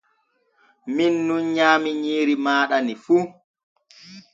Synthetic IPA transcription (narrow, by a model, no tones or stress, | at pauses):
minːunɲaːmiɲiːɾimaːɗanifuː